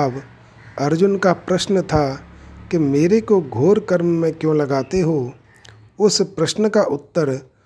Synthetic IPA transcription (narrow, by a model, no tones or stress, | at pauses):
ʋ | ɐɾd͡ʒʊnkapɾəʃnət̪ʰakemeːɾekoɡʱoːɾkəɾmːẽkjõlɐɡaːt̪eɦo | ʊspɾəʃnəkaʔʊt̪ːəɾ